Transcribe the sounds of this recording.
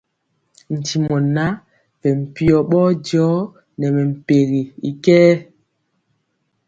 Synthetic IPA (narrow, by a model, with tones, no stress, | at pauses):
n̩˨ti˨mɔ˨na˦ | pɛ˨m̩˨pi˨ɔ˨ɓɔː˦d͡ʒɔ˨˦ | nɛ˨mɛ˨m̩˨pe˨ɣi˨i˨kɛː˦